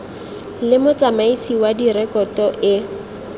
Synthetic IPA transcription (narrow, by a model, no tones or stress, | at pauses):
lɪmʊt͡sʼamaisiwadirɛkɔtɔʔɪ